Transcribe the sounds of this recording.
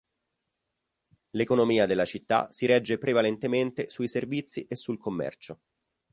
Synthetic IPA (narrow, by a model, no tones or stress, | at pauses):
lekonomiːad̪elːat͡ʃit̪ːa̰siɾɛd͡ʒːepɾevalent̪ement̪esuiservit̪sːiʔesːulkomːɛ̰rt͡ʃo